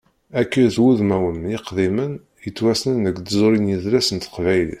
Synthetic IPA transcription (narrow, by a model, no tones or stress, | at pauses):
ækːiθwuðmæwəmɪqðimən | jət͡sːwæsnənəkd̪zˤoɾinjiðɾæsənt̪ə̥qvæjlḭθ